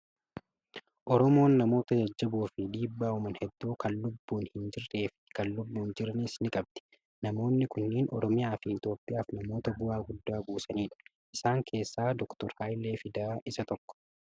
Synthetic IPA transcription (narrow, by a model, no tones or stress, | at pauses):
ʔɔɾɔmo̞ːnːɐmo̞ːt̪ɐd͡ʒɐd͡ʒːɐbuːfɪd̪iːbːaːʊmɐnhɛd̪ːuːkʰɐnlʊbːuːnhɪnd͡ʒɪrːeːfɪ̥kɐnːʊbːuːnd͡ʒɪɾɐnisnɪkʼɐb̚d̪̥ɛ̥ | nɐmo̞ːnːɪkʊnːɪːnʔɔ̰ɾɔmɪjaːfɪɪt̪o̞ːpʼːɪjaːfnɐmo̞ːt̪ɐbʊaːɡʊd̪ːaːbuːsɐniːᶑɐ̥ | ʔɪsaːŋkʰe̞ːsːaːd̪ɔkt̪ɔɾhaːjleːfɪd̪aːʔɪsɐt̪ɔkːɔ̥